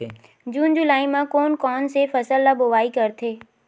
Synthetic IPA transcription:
d͡ʑuːnd͡ʑʊlaːimãkoːnkɔːnsefɐsəlːaboʋaːikɐɾt̪ʰeː

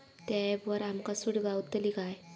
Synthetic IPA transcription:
t̪abəɾamkasuɽɡawt̪əliɡaj

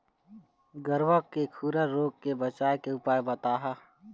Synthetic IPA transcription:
ɡəɾwəkkekʰuːɾəɾoːɡkebɐt͡ʃaːekeʊpaːebɐt̪aːɦa

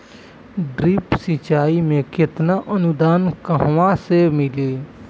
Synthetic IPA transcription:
ɖɾipsit͡ʃaːimẽkɪt̪naʔənud̪aːnkəɦʋãsemɪli

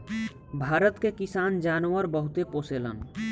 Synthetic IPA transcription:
bʱaːɾət̪kekisaːnd͡ʒaːnwəɾbəɦut̪eposelə̰n

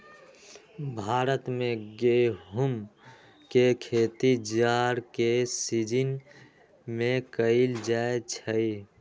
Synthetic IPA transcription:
bʱaːɾət̪mẽɡeɦum | kekʰeːt̪id͡ʒaːɾkesid͡ʒin | mẽkəɪld͡ʒaːet͡ʃʰəi

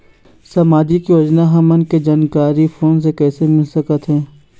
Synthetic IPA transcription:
sɐmaːd͡ʒikiʋɐd͡ʒnaɦɐmənked͡ʒaːnkaːɾifoːns̬ekɛːsemɪlsɐkət̪ɦɛ̃ː

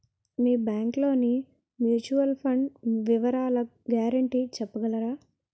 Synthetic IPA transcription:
miːbjaːŋklo̞ːni | mjuːt͡ʃuʋɐlpʰɐɳɖʋiʋɐɾaːlɐ | ɡjaːɾɐɳʈiːt͡ʃɛpːɐɡɐlɐɾaː

